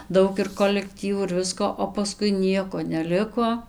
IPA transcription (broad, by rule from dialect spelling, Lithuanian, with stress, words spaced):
ˈdɐʊk ɪr koːlʲɛkˈtʲiːʋuː ɪr ˈʋʲɪskoː oː pɐˈskʊɪ ˈnʲiɛkoː nʲɛˈlʲɪkoː